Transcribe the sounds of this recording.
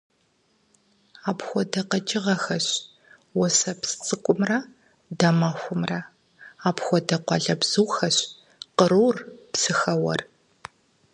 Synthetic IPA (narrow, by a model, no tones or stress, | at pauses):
aːpxʷɔdɐqɐt͡ʃʼɪʁɐxɐɕ | wɔsɐpsɨt͡sʼɨkʷʼʊmrɐ | dɐmaːxʷʊmrɐ | aːpxʷɔdɐqʷɑɮɐbz̥ɨwxɐɕ | qəɾuːrpsɨxɐwɐ̰r